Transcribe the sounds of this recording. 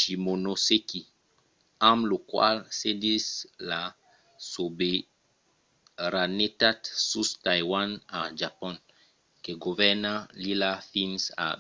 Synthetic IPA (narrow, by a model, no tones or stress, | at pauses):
ʃimonoseki | amlokwa̰lsedisla | sobe | ɾanetatsustajwanad͡ʒapɔ̃n | keɡovɛnalilafinsa̰